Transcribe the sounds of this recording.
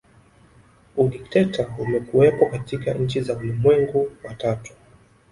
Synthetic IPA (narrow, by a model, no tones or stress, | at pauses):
uɗiktɛtaumɛkuwɛpɔkatikaɲ̩t͡ʃizaulimwɛŋɡuwatatu̥